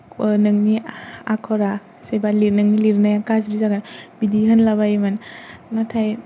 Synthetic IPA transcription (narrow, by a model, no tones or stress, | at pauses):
nɯŋnia̰kʰɔɾa | sebalinɯŋniliɾnajakaz̬ɾizaɡanbidiɦɯnlabaimannatʰaj